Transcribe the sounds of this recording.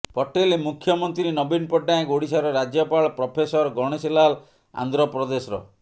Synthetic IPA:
pɔʈelmukʰjɔmɔnt̪ɾinɔbinpɔʈːaẽɡoɽisaɾɔɾad͡ʒjɔpaɭɔpɾɔpʰesɔɾɡɔɽ̃esilal | a̰nd̪ɾɔpɾɔd̪esɔɾɔ̰

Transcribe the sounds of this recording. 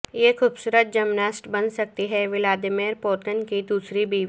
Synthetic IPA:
jeːxuːbsuːɾət̪̚d͡ʒɐmnaːsʈbɐnsɐk̚t̪iɦɛʋɪlaːd̪ɪmeːɾpoːɾkənkid̪uːsɾibiː

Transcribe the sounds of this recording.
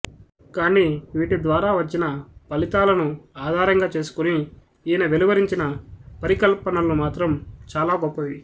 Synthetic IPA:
kaːniːʋiːʈid̪ʋaːɾaːʋɐt͡ʃːinɐpɐlit̪aːlɐnuaːd̪ʱaːɾɐŋɡaːt͡ʃe̞ːsu̥kuni | iːnɐʋeliʋɐɾiɲt͡ʃinɐpɐɾikɐlpɐnɐlumaːt̪ɾɐmt͡ʃaːlaːɡɔpːɐʋi

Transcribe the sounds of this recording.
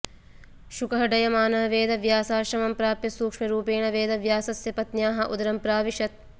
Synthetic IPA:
ʃukɐɦɐɖɐjɐmaːnɐɐʋeːd̪ɐʋjaːsaːɾʃɐmɐmpɾaːpjɐsuːkʂmɐɾuːpeːɳɐʋeːd̪ɐʋjaːsɐsjɐpɐt̪njaːɦɐʔṵd̪ɐɾɐmpɾaːʋiʂɐt̪̚

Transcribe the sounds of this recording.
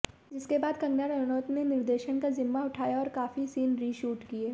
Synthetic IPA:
d͡ʒɪskebaːd̪kɐ̃ŋɡnaːɾɐnɔːt̪nenɪɾd̪eːʃənkazɪmːaʊʈʰaːjaɔːɾkaːfisiːnɾiːʃuːʈkieː

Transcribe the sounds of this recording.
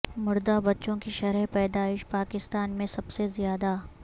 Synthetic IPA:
mʊɾd̪abɐtːʃõkiʃɐɾɛpɛːd̪aːɪʃpaːkɪst̪aːnmẽsɐbsezjaːd̪a

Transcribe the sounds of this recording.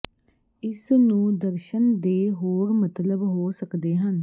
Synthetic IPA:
ɪsnũːd̪əɾʃənd̪eːɦoːɾmət̪ləbɦoːsəkd̪eːɦən

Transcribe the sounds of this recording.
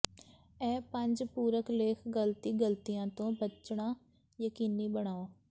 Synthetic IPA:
ɛ̃ːpə̃ɲd͡ʒpuːɾəkleːkʰɡəlt̪iːɡəlt̪ijãːt̪õːbət͡ʃɽãː | jəkiːniːbəɳ̃aːoː

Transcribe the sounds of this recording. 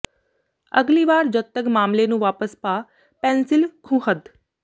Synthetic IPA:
əɡliːʋaːɾd͡ʒət̪əkmaːmleːnũːʋaːpəspaː | pɛ̃ːnsɪlkʰũːɦəd̪

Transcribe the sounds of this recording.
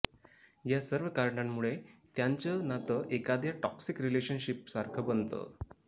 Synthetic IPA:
jasəɾʋəkaɾɳamːuɭet̪jaɲt͡ɕənat̪əʔekad̪ʱjaʈɔksikɾileɕənɕip̚saɾkʰəbənt̪ə̰

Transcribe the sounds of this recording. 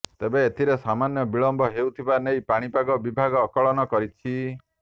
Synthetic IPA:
t̪ebeːt̪ʰiɾesamanjɔbiɭɔmbʱɔɦewt̪ʰibanejpaɽ̃ipaɡɔbibʱaɡɔːkɔɭɔnɔkɔɾit͡ʃʰi

